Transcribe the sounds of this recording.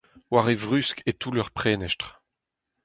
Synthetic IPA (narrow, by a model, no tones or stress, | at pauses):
waʁevʁyskʰet̪ulœʁpχɛːnɛʃtʁ